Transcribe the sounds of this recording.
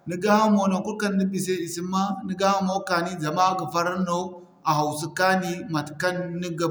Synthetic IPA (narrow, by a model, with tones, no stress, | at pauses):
ni˦ɡa˦ha˦mo˨no˨ku˦ɾka˦nː˦i˦bi˨s̬e˦i˨si˦mːa˦ni˦ɡa˦ha˦mo˦ka˨ni˦d͡za˨ma˦ɡa˨fa˦ɾa˦no˦ | a˨ɦa˨wsu˦ka˦ni˦ma˨tka˦nːi˦ɡa˨